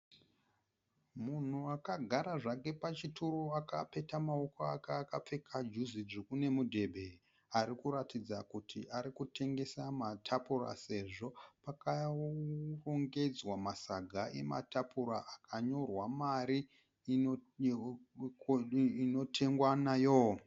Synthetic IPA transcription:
mun̤uakaɡʱaɾaʐake̞pat͡ʃitʰuɾoakape̞tamao̞koakaːkap͡fe̞kʰad͡ʒuziʐikune̞mudʱe̞bʱe̞ | aɾikuɾatid͡zakutʰḭʔaɾikutʰe̞ŋɡe̞samatʰapura̰se̞ʐo̞paka | roŋɡe̞d͡zwamasaɡʱaʔe̞̰ma̰tʰapuɾaʔakʰaɲo̞rwamaɾi | ino̞tʰe̞ŋɡwanajo

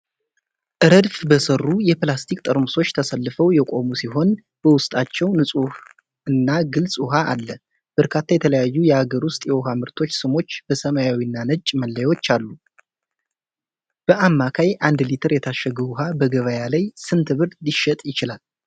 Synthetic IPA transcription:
ʔɨɾəd̪fbəsərːujɛplast̪ʰikʼt̪ʼəɾmɨso̞t͡ʃːt̪ʰəsəlːɨfəwjɛkʼo̞musiɦo̞n | b̥əwʊst̪ʼat͡ʃːɛwnɨsʼuh | ɨnːaɡɨlsʼuɦaːlːə | b̥əɾkʰat̪ʰːajɛt̪ʰələjajːujɛaɡəɾwʊst̪ʼjɛwɔɦamɨɾt̪ʰo̞t͡ʃːsɨmo̞t͡ʃːb̥əsəmajawiɨnːanət͡ʃʼːməlːəjwo̞t͡ʃːalːu | b̥əʔamːakʰajʔand̪lit̪ʰɨɾjɛt̪ʰaʃəɡəβuɦabəɡəβəjalajsɨnt̪ʰɨβɨɾd̪liʃɛt̪ʼjɪt͡ʃɪlal

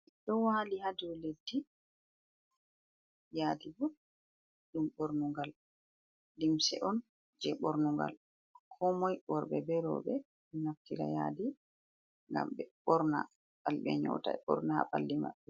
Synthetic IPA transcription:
ɗɔwalihaduledːi | jadibu | ɗumɓoɾnuŋɡalː | imsɛ̰ʔɔn | d͡ʒɛɓoɾnuŋɡa̰l | kʰɔmɔjɓɔɾɓɛbɛɾɔ̰ɓɛ | ɗɛnaftiɾa̰ja̰di | ŋɡa̰mɓɛɓɔɾna | ɓalɓɛ̰ɲɔ̰ta̰ɓɔ̰ɾnaha̰ɓalːima̰ɓːɛ

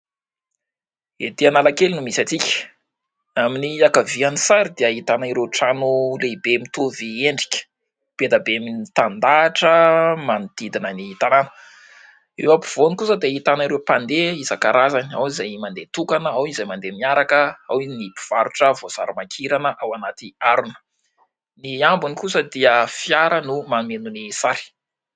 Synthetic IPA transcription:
ed̪ianalakelinumisat͡sikʲə̥ | aminiakavianisaɾid̪eəit̪anaiɾeʈ͡ʂanulebemit̪uvieɳɖ͡ʐi̥kʲə̥ | b̥ed̪abeaminit̪and̪aːʈ͡ʂəmanid̪̥id̪inəniit̪ananə̥ | ewapi̥v̥onikusəd̪eit̪anaɾewpand̪eizakaɾazana̰wizajmand̪et̪ukanəawinizajmand̪emiaɾakəawiinipi̥v̥aɾuʈ͡ʂəvoz̥a̰ɾamakʰiɾanəʔawanat̪iaɾunə̥ | niambunikusəd̪iəfjaɾənumanmenunisaɾi̥

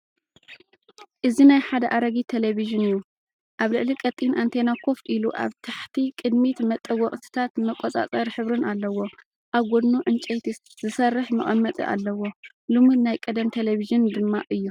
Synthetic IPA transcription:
ʔɨzinajħad̪ɐʔaɾɐɡit̪ʰeleβiʒɨnɨjːu | ʔaβlɨʕlikʼɐt̪ʼinʔant̪ʰenakʰo̞fʔiluʔa̰βt̪ʰaħt̪ʰikʼɨd̪mit̪mɐt̪ʼːɐwɔχʼt̪ʰɨ̥t̪ʰat̪mɐkʼot͡sʼa̰t͡sʼɐɾħɨβɾɨnalːɐwo̞ | ʔaβɡʷod̪nuʕɨnt͡ʃʼejt̪i | zɨsɐrːɨħmɨχʼɐmːɐt̪ʼḭʔa̰lːɐwo̞ | lɨmunajkʼɐd̪ɐmt̪ʰeleβiʒɨnd̪ɨmːaʔɨjːu

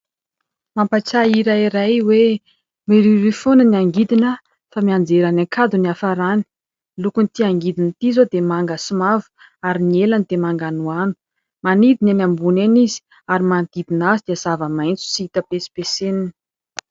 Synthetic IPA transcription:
mampat͡saiɾaiɾajwe | miɾiɾifonəniaŋɡid̪inə | famiand͡zeɾanaŋkʰad̪uniafaɾani̥ | lukunit̪iaŋɡid̪init̪izod̪emaŋɡəsumavu̥ | aɾinielanid̪emaŋɡanuanu̥ | manid̪inanambunenizi̥ | aɾimand̪̥id̪inazid̪iəzavəmajnt͡su̥siit̪əpesi̥pesenini̥

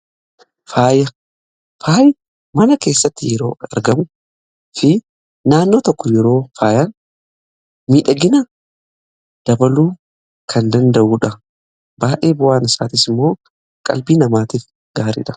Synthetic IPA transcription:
faːjɐ | faːj | mɐnɐke̞ːsːɐt̪ːɪjɛɾo̞ːɐ̰ɾɡɐmʊ | fɪ | naːnːo̞ːt̪ɔkːɔjɛɾo̞ːfaːjan | miːᶑɐɡɪnɐ | d̪̥ɐbɐluː | kʰɐnd̪ɐnd̪ɐʔuːᶑɐ | baːʔe̞ːbʊʔaːnɪsaːt̪ɪsɪmːo̞ː | kʼɐ̰lbiːnɐmaːt̪iːf | ɡaːɾḭᶑɐ̥

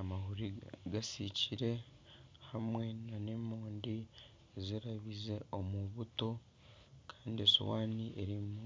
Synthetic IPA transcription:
amahuɾiɡasiciɾe̞ | hamwe̞nane̞moːndi | ziɾaβize̞o̞muβuto̞ | kʰaːndieso̰waːniʔeɾimu

